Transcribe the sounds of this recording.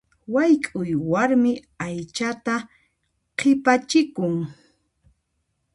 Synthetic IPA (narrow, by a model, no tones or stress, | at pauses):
wajkʼʊjwaɾmɪ | ajt͡ʃat̪a | qʰɪpat͡ʃɪkʊŋ